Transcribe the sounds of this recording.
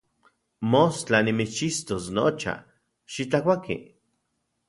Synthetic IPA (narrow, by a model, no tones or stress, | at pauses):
most͡ɬanimit͡ʃist̪osnot͡ʃa̰ | ʃit͡ɬakʷakḭ